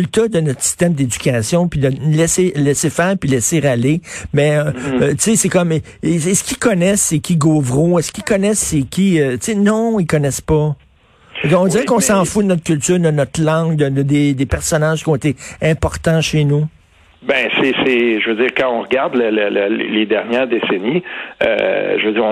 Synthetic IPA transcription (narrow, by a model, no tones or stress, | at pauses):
lt̪od̪ənɔt̪χsi̥st̪ɛmd̪ed͡zykʲasjɔ̃pid̪əlɛselɛsefɛːʁpilɛsɪʁalemɛøt͡sesɛkɔm | sesə̥kʲikɔnɛsɛkʲiɡoːvʁuɛskʲikɔnɛsɛkʲiøt͡senɔ̃ikɔnɛspɔ | kɔ̃dziʁɛkɔ̃sɑ̃fud̪ənɔt̪̚kʲylt̪yːʁd̪ənɔt̪lɑ̃ɡd̪əd̪əd̪ed̪epɛʁsɔnaʒ̥kʲjɔ̃et̪eɛ̃pɔʁt̪ɑ̃ʃenu | bɛ̃seseʒvød͡ziːʁkãɔ̃ʁɡaʁd̪lələlə̰led̪ɛʁnjɛːʁd̪eseniø̰ʒəvød͡ziːʁɔ̃